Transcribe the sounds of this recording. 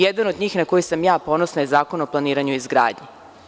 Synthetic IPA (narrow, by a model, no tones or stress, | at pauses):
jed̪anod̪ɲiːxnako̞jisamjaːpo̞nosnajezaːko̞noplˠaniːɾaɲuizɡɾa̰ːd̪ɲe